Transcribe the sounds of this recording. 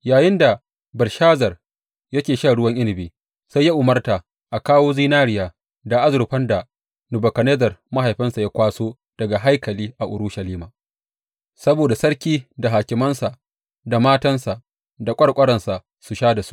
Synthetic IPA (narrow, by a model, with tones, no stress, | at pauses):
jaː˨jɪ˦nda˨ | bɐ˨lʃaː˦zɐ˨r | jɐ˦kʲeː˨ʃaː˦˨ɽʊ˦wɐ˦ŋʔɪ˦nɪ˨biː˨ | sa˦jːa˦ʔʊ˨mɐ˦rtaː˨ | ʔa˨kaː˦woː˦ziː˦naː˦ɽɪ˦jaː˨ | da˨ʔa˦zʊ˨ɾɸɐ˦nda˨ | nʊ˨bɐ˨kɐ˨neː˦zɐ˨rma˦ɦa˨jɸɪ˦nsa˨ja˦kʷaː˦soː˦ | d̥ɐ˨ɡa˨ɦa˦jkɐ˨liː˦ʔa˨ʔʊ˨ɾu˦ʃa˨liː˦maː˨ | sɐ˦boː˨da˨sɐ˦ɽkʲiː˦da˨ɦaː˨kʲɪ˨mɐ˦nsa˨ʔ | da˨maː˦tɐ˦nsa˨ʔ | da˨kʷʼɐ˦ɽkʷʼɐ˦ɽɐ˨nsa˨ | su˨ʃaː˦da˨su̥˦ʔ